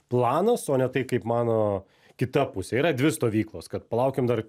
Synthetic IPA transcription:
plˠɑːnɐsoːnʲɛt̪ɐɪkɐɪpmɑːnoː | kʲɪt̪ɐpʊsʲɛiːɾɐd̪ʲʋʲɪst̪oːʋʲiːklˠoːskɐt̪pɐlˠɐʊkʲemd̪ɐr

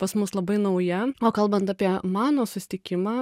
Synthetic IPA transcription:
pɐsmʊslˠɐbɐɪnɐʊjɛoːkɐlˠbɐnt̪aɑpʲiɛmɑːnoːsʊsʲɪ̥t̪ʲɪkʲɪmɑː

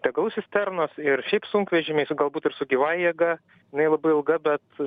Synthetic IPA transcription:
t̪ʲɛɡɐlˠʊsʲɪst̪ʲɛrnosɪrʃʲɛɪpsʊŋkʋʲɛʒʲɪmʲɛɪɡɐlˠbuːt̪ɪrsʊɡʲiʋɑːjiɛɡɐ | jɪnɐɪlˠɐbɐɪɪlˠɡɐbʲɛt̪

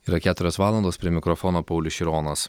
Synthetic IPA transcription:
iːɾɐkʲæːt̪ʊɾʲoːsʋɑːlˠɐnd̪oːspʲɾʲiɛmʲɪkɾɔfɔːnoːpɐʊlʲʊʃʲɪɾɔːnɐs

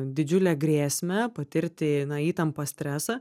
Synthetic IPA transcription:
d̪ʲɪd͡ʒʲʊlʲɛɡɾʲeːsʲmʲɛpɐt̪ʲɪɾʲt̪ʲɪnɐiːt̪ɐmpɐsʲt̪ʲɾʲæːsɐ

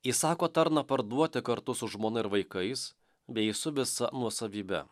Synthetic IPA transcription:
iːsɑːkoːt̪ɐɾnɐpɐɾd̪uɔt̪ʲɪkɐɾt̪ʊsʊʒmoːnɐɪɾʋɐɪkɐɪs | bʲɛɪsʊʋʲɪsɐnuɔsɐʋʲiːbʲɛ̰

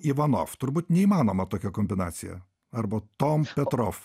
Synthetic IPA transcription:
iʋɐno̰ːft̪ʊɾbuːt̪ʲnʲɛiːmɑːnoːmɐt̪oːkʲɛkoːmʲbʲɪnɑ̰ːt̪sʲɪjɛ̰ | ɐɾbɐt̪ompʲɛt̪ɾoːf

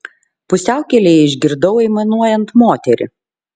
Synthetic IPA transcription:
pʊsʲæˑʊkʲɛlʲeːɪʒʲɡʲɪɾd̪ɐʊɛɪmɐnuɔjɛnt̪moːt̪ʲɛɾʲɪ̰

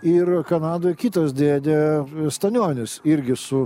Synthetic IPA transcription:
ɪrkɐnɑːd̪oːjkʲɪːt̪ɐsd̪ʲeːd̪ʲeːst̪ɐnʲoːnʲɪsɪɾʲɡʲɪsʊ

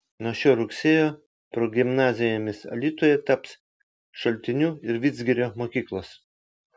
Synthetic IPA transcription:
noːʃʲoːɾʊksʲeːjoː | pɾoːɡʲɪmnɑːzʲɪjoːmʲɪsɐ̰lʲiːt̪oːjɛt̪ɐps | ʃɐlʲt̪ʲɪnʲuːɪɾʋʲɪd̪zʲɡʲɪɾʲoːmoːkʲiːklˠoːs

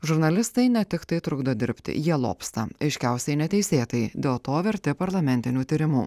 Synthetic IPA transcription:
ʒʊɾnɐlʲɪst̪ɐɪnʲɛt̪ʲɪkt̪ɐɪt̪ɾʊɡd̪oːd̪ʲɪɾʲpʲt̪ʲɪ̰jiɛlˠo̰ːpst̪ɐɐɪʃʲkʲæˑʊsʲɛɪnʲɛt̪ʲɛɪsʲeːt̪ɐɪd̪ʲeːlˠt̪oːʋʲɛɾʲt̪ʲɪpɐɾlˠɐmʲɛnʲt̪ʲɪnʲuːt̪ʲiːɾʲɪmuː

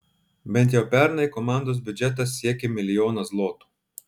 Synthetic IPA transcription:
bʲɛnt̪̬ʲjɛʊpʲɛˑɾnɐɪkɔmɑˑnd̪oːsbʲʊd͡ʒʲɛt̪̬ɐs̬ːʲiɛkʲemʲɪlʲɪjoːnɐslˠoːt̪u̥ː

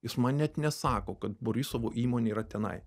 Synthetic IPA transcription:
jɪsmɐnnʲɛt̪nʲɛsɑːkoːkɐt̪boɾʲɪsoʋoːʔiːmoːnʲeiːɾɐt̪ʲɛnɐ̰ɪ

